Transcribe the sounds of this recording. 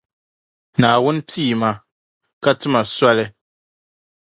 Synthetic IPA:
naː˨wʊ˦n˦piː˦˨ma˦ | ka˦tɨ˦ma˨sa˦lɨ˦

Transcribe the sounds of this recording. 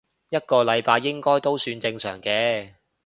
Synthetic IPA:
jɐ˥t̚kɔː˧lɐ˨˧jpaː˧jːɪ˥ŋkɔː˥jt̪o˥wsyː˧nt͡sɪ˧ŋsœ̰ː˨˩ŋkɛː˧

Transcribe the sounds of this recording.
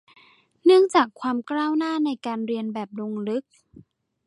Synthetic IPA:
nɯ˥˩əŋt͡ɕaː˨˩kʰwaː˧mklaː˥˩wnaː˥˩na˧jkaː˧nɾi˧ənbɛː˨˩p̚lo˧ŋlɯ˦˥k̚

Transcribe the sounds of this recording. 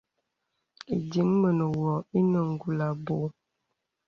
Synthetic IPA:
ḭ˨di˨˦ŋmə˨nə˨wɔ˨i˦nə˨ŋ̩˨ɡu˨la˨bo˨˦

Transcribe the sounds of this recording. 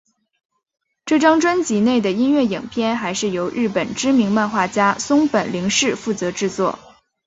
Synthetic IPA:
ʈ͡ʂɤ˥˩ʈ͡ʂɑ˥ŋʈ͡ʂwa˥nt͡ɕi˧˥ne˥˩ɪd̪ə˩i˥nɥɛ˥˩ji˨˩ŋpʰjɛ˥˧nxa˧˥ɪʂɻ̩˥˩jo˧˥ʊɻɻ̩˥˩pə˨˩nʈ͡ʂɻ̩˥mi˧˥ŋma˥˧nxwa˥˩t͡ɕja˥sʊ˥ŋpə˨˩nli˧˥ŋʂɻ̩˥˧fu˥˩t͡sɤ˧˥ʈ͡ʂɻ̩˥˧t͡swɔ̰˥˩

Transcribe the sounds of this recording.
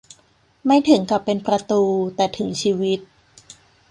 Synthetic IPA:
ma˥˩jt̪ʰɯ˩˦ŋka˨˩pːe˧npɾa˧t̪uː˧t̪ɛː˨˩t̪ʰɯ˩˦ŋt͡ɕʰiː˧wi˦˥t̪̚

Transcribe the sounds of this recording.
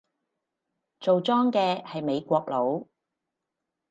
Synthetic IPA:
t͡so˨wt͡sɔː˥ŋkɛː˧hɐ˨jme˨˧jkʷɔː˧k̚lo˨˥w

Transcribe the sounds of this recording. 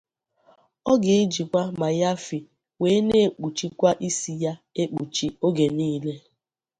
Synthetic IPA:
ɔ˦ɡe˨e˦d͡ʒi˨kʷa˦ma˨ja˦fi˨ | weː˨˦ne˦˨k͡pu˨t͡ʃi˦kʷa˦ʔi˦si˨ja˦e˦k͡pu˨t͡ʃi˦o˦ɡe˨niː˦le˦

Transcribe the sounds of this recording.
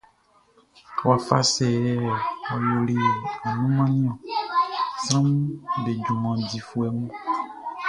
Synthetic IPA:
wa˨fa̰˦sɛ˨ɛ˦˨wɔ˨jo˨li˦˨a˨nũ˦mã˦nĩ˦ɔ̃˨ | sɾã˦mɖe˨d͡ʒu˨mã˨di˨fu˦ɛ˨mũ˦

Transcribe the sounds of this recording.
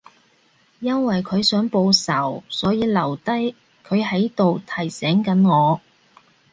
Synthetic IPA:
jɐ˥nwɐ˨jkʰɵ˨˧ɥsœː˨˥ŋpo˧wsɐ˨˩wsɔː˨˥jiː˧lɐ˨˩wt̪ɐ˥j | kʰɵ˨˧ɥɦɐ˨˥jt̪o˨wt̪ʰɐ˨˩jsɛː˨˥ŋkɐ˨˥nŋɔː˨˧

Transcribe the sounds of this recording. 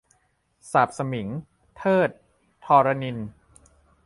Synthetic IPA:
saː˨˩p̚sa˧mi˩˦ŋ | t̪ʰɤː˥˩t̪̚ʰː | ɔː˧ɾa˧ni˧n

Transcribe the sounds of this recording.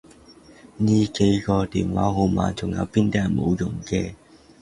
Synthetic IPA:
niː˥ke˨˥jkɔː˧t̪iː˨˩nwaː˨˥ɦo˨˧wma̰ː˨˧nt͡sʰʊ˨˩ŋjɐ̰˨˧wpiː˥nt̪ɛː˥˨˩mo̰˨˧wjʊ˨˩ŋkɛː˧

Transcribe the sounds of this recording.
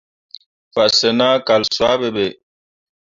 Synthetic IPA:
fa˨ʔsə˨na˦ka˨lswa˨˦bɛ˨be˨

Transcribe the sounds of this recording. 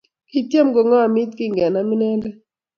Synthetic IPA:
ki˨t̪ja˦mɡo˨ŋɔ˦a˨mi˦t̪ki˦ŋɡɛ˨na˦mi˦nɛ˦ndɛ˦

